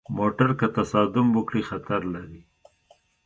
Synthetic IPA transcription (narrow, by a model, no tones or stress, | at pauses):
moʈaɾkat̪asɑd̪ʊmwʊkɽixat̪aɾlaɾi